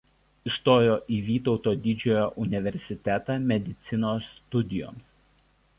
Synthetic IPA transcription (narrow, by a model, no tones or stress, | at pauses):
ɪst̪oːjoːʔiːʋʲiːt̪ɒʊt̪oːd̪ʲɪd͡ʒʲoːjoːʔʊnʲɪʋʲɛɾʲsʲɪt̪ʲɛt̪ɑːmʲɛd̪ʲɪt̪sʲɪnoːst̪ʊd̪ʲɪjo̰ːms